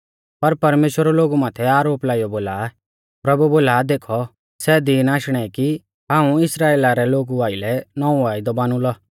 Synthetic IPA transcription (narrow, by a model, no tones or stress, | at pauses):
pɐɾpɐɾmeːʃwəɾɔloːɡumaːt̪ʰɛaːɾoːplaːijɔboːla | pɾɐbuboːlad̪eːkʰɔ | sɛd̪iːnaːʃɽ̃ɛki | ɦãːũɪsɾaːeːlaɾɛloːɡuaːɪlɛnɔũʋaːid̪ɔbaːñũlɔ